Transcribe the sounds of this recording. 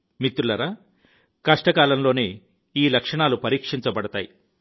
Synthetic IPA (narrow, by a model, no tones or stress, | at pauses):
mit̪ɾulɐɾaː | kɐʂʈɐkaːlɐmlo̞ːneː | iːlɐkʂɐɳaːlupɐɾiːkʂiɲt͡ʃɐbɐɽɐt̪a̰ːji